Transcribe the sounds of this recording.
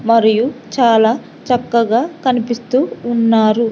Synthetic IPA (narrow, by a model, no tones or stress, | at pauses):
mɐɾijut͡ʃaːlaː | t͡ʃɐkːɐɡaːkɐnipist̪uːnːaːɾu